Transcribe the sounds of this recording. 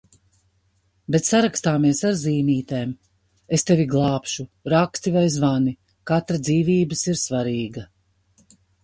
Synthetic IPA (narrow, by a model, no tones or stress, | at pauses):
bet̪saɾakst̪aːmiɛsaɾziːniːt̪eːm | est̪eviɡlˠɑːpʃuɾakst̪ivajzvani | kat̪ɾad̪ziːviːbɨsiɾsvaɾiːɡɐ